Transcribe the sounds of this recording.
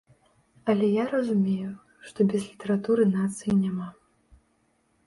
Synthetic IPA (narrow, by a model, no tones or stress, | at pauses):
ɐlʲɛjaɾɐzumʲeju | ʂt̪ɔbʲɛzlʲit̪ɐɾat̪uɾɨnat̪sɨjinʲama